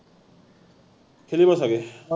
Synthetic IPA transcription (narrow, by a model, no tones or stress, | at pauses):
kʰelibʌsʌɡe